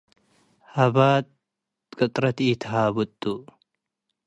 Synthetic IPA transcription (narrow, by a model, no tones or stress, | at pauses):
hɐbaːt̪ | kʼɐt̪ʼɾɐt̪it̪ʰɦaːbʊt̪ʼːu